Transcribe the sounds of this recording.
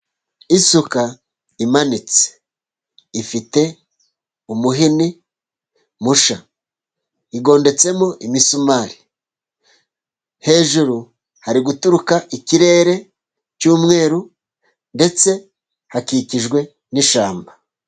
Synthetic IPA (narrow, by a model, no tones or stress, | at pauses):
isuka | imanit͡se̥ | ifite̞ | umuɦini | muʃa | iɡo̞ːnde̞t͡se̞moʔimisumaːɾi̥ | he̞ːʒuɾu | haɾiɡutuɾukaʔiciɾe̞ːɾe̞ | cuːmŋe̞ːɾu | nde̞t͡se̞ | hakiciʒɡwe̞ | niʃaːmba